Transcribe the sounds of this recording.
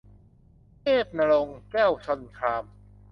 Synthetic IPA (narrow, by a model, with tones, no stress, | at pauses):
keː˥˩p̚na˧ɾo˧ŋkɛː˥˩wsʰo˧nkʰɾaː˧m